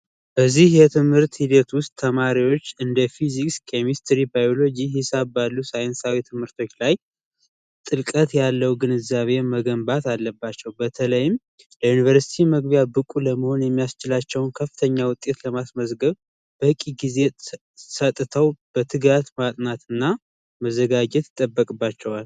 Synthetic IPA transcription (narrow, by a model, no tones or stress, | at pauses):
b̥əzːihjɛt̪ʰɨmhɨɾt̪hid̪ət̪wʊst̪ʼʰːəmaɾiwo̞t͡ʃːɨnd̪əfizikskʰemist̪ʰɾibajo̞lo̞d͡ʒiɦisabbalːusajɛnsawit̪ʰɨmhɨɾt̪ʰo̞t͡ʃːlaj | t̪ʼɨlkʼət̪jalːəwɡɨnɨzaβe̞məɡəmbat̪alːəbːat͡ʃːɛwbət̪ʰələjɪm | ləjunivəɾsi̥t̪ʰiməɡβijabɨkʼuləməho̞njɛmːijast͡ʃɪlat͡ʃːɛwnkʰəfːɨt̪ʰəɲːawʊt̪ʼːe̞t̪ləmasməzɡəβ | b̥əhɨkʼiɡize̞ | sət̪ʼɨt̪ʰəwb̥ət̪ʰɨɡat̪mat̪ʼnat̪ɨnːa | məzːəɡad͡ʒɛt̪ɨt̪ʼːəbːəkʼɨbːat͡ʃːɛwal